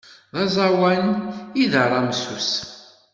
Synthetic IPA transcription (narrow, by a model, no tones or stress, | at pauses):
ðæzˤawæniðəɾˤːɑmsus